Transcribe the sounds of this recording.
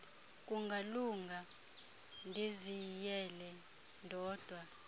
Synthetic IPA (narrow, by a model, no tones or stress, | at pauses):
kʼuŋɡʱaluŋɡʱa | ndʱizijɛlɛ | ndʱɔːd̥ʱwa